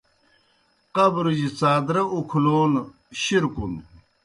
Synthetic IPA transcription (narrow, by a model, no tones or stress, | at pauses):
qɐbɾud͡ʑit͡saːd̪ɾɐukʰloːn | ɕiɾkun